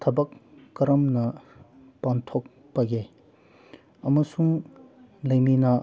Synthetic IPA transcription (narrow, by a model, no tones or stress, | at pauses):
t̪ʰɐbɐkːɐɾɐmnɐ | pantʰok̚ | pɐɡe | ɐmɐsuŋ | lɐjminɐ